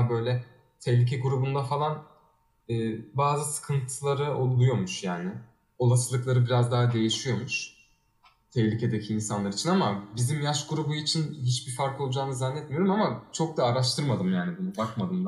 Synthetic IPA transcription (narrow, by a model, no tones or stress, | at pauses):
bø̞jlʲɛ | t̪ʰɛçlʲic̬ʰɛɡuɾubund̪afalˠan | ɛːbaːzɯsɯ̥kʰɯnt̪ʰɯlˠaɾɯolˠujo̞muʃjaːnɪ | o̞lˠasɯlˠɯklˠaɾɯbiɾazd̪aɦad̪e̞jiʃijo̞muʃ | t̪ʰɛhlʲicʰed̪ɛcʰiːnsanlˠaɾit͡ʃʰinamabizimjaʃɡuɾubuit͡ʃʰinɦit͡ʃbifaɾko̞lˠud͡ʒaːnɯzanːɛt̪̚mijo̞ɾumamat͡ʃʰo̞k̚d̪aːɾaʃt̪ʰɯɾmad̪ɯmjaːnibunubakmad̪ɯmd̪a